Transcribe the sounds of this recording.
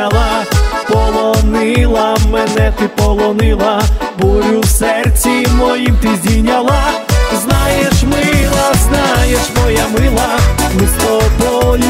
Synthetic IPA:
ɐlˠapɔlˠɔnɪlˠɐmɛnɛt̪ɪpɔlˠɔnɪlˠɐbɔɾʲuwsɛrt͡sʲimɔjimt̪ɪzʲdʲinʲalˠaznajɛʃmɪlˠɐznajɛʂmɔjamɪlˠɐmɪst̪ɔbɔlʲ

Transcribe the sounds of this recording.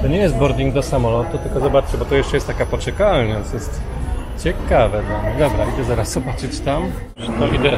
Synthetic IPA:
t̪ɔɲɛjɛst̪̚bɔɾd̪ʲiŋɡd̪ɔsamɔlɔt̪ut̪ɘlkɔzɔbat͡ʂt͡ɕɛbɔt̪ɔjɛʂt͡ʂɛjɛst̪t̪akapɔt͡ʂɛkalɲʲasjɛst̪ | t͡ɕɛkavɛd̪ɔd̪ɔbɾaʔid̪ɛzaɾasz̥ɔbat͡ʂɘt͡ɕt̪am | nɔʔid̪ɛ

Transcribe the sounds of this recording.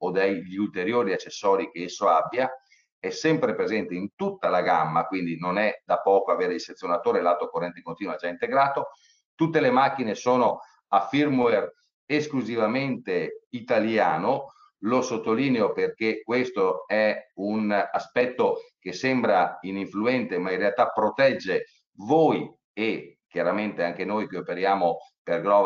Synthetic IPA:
od̪ejʎult̪eɾjoːɾiat͡ʃːesːɔːɾikeesːoabːja | ɛsɛmpɾepɾezɛnt̪eint̪ut̪ːalaɡamːakwind̪inonɛd̪apɔːkoaveːɾeiset̪sːjonat̪oːɾelat̪okorːɛnt̪ekont̪iːnuad͡ʒaint̪eɡɾaːt̪o | t̪ut̪ːelemak̟ːinesoːno | afːirmwer | eskluzivament̪eit̪aljaːno | losot̪ːoliːneoperkekːwest̪oɛunaspɛt̪ːok̟esembɾainiɱfluɛnt̪emainrealt̪apːɾot̪ɛd͡ʒːe | voːj | ek̟jaɾament̪eaŋk̟enoːjkeopeɾjaːmoperɡɾɔ

